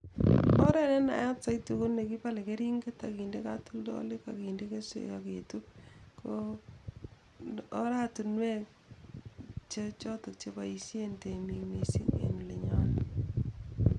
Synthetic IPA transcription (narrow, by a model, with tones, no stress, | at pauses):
ɔ˦ɾɛ˦ne˦na̰˨ja˦t͡sa˦jtu˨ko˦ne˨ki˦pa˦le˨ke˦ɾi˦ŋɡe˦ta˨ki˨nde˦ka˦tu˦ldɔ̰˦lɪ˦ka˨ki˨nde˦ke˦sḛ˨jaketu˦ko˦ | ɾa˦tu˨nwɛ˦k | t͡ʃet͡ʃɔ˦to˨k̚t͡ʃe˦ba˨i˨sje˦nte˨mi˨me˨sḭ˦ŋḛ˨nu˨le˨ɲa˦n